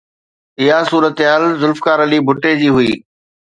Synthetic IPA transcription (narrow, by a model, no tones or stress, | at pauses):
ɪɦasuːɾət̪eɦaːlzʊlfkaːɾɐlibʱʊʈed͡ʑiːɦʊiː